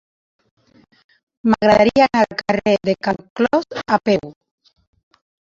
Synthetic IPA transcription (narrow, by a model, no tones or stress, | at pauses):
maɣɾaðaɾianalkareðekaŋklɔzapew